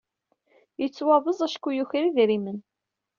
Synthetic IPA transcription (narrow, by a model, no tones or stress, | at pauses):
jət͡sːwɑðˤəzˤæʃkːujuçɾiðɾimən